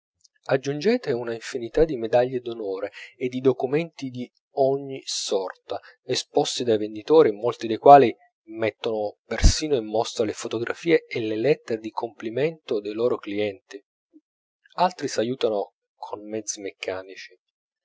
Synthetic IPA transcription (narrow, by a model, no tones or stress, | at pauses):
ad͡ʒːund͡ʒɛːt̪eunaiɱfinit̪ad̪imed̪aʎːed̪onoːɾeed̪ːid̪okumɛnt̪id̪i | ɔɲːisɔrt̪a | espɔst̪id̪ajvend̪it̪oːɾimolt̪id̪ejkwaːli | mɛt̪ːonopersiːnoimːɔst̪ɾalefot̪oɡɾʔa̰fiːeːlelɛt̪ːeɾed̪ikʰomplimɛnt̪od̪ejloːɾokliɛnt̪i | alt̪ɾisajuːt̪ano | kʰonmɛd̪zːimekʰːaːnit͡ʃi̥